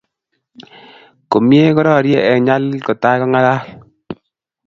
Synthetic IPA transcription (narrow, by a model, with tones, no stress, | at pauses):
ko˨mje˦kɔ˦ɾɔ˦˨ɾje˦ʔɛ˨ɲa˦lkɔ˨ta˦kɔ˦ŋa˦la˦